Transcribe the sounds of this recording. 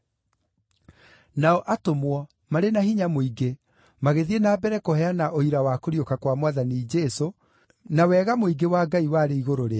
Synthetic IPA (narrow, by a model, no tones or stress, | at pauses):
naɔʔatomwɔ | maɾenahiɲamoiɡe | maɣeðienaːbɛɾɛkohɛanaʔoiɾawakoɾiokakwamwaðanid͡ʒɛso | nawɛːɣamoiɡewaɡaiwaːɾeiɣoɾoɾea